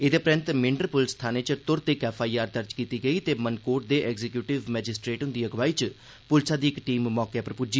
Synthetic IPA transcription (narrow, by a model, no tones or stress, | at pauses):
ed̪eːpɾɪ̃nt̪mɪɳɖəɾpʊlst̪ʰaːneːt͡ʃət̪ʊɾt̪eɪkɛːpʰaːiːaːɾd̪əɾd͡ʒkiːt̪iːɡəiːt̪eːmənkoːʈ̚d̪eːʔɛɡzekjuːʈɪʋmɛːd͡ʒɪsʈɾeːʈɦʊnd̪iːəɡʋaːiːt͡ʃ | pʊlsaːd̪iːɪkʈiːmːɔːkepəɾpʊd͡ʒi